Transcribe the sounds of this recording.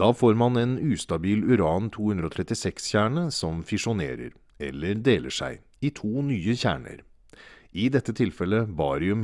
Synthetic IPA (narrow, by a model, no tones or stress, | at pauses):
d̪̥ɑːfoːɾmɑnɛnʉːst̪ɑbiːlʉɾɑːnt̪ʰuːhʉnd̪ɾəɔt̪ʰɾɛt̪ːɪsɛksçæːɳəsɔmfɪʂʊnḛːɾə̰ɾ | ɛ̰lːəɾd̪eːlʔə̰ʂæ̰ɪ | ɪt̪ʰuːnyːəçæ̰ːɳə̰ɾ | ɪd̪ɛt̪ːət̪ʰɪlfɛləbɑːɾɪʉm